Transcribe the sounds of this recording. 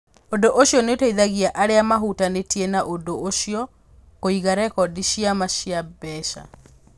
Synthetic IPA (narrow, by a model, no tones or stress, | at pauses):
ondoʔoɕjɔnetoiðaɣiaʔaɾeamaɦutanetiɛnaʔondooʃiɔ | koiɣaɾɛkɔdiʃiamaʃiabɛʃa̰